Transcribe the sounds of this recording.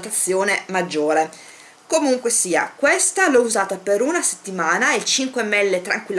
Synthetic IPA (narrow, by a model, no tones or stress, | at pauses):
t̪at̪sːjoːnemad͡ʒːoːɾe | komuŋkwesiːa̰kwest̪alɔuzaːt̪apeɾunase̥t̪ːimaːnailt͡ʃiŋkwɛmːɛlːet̪ɾaŋkwilː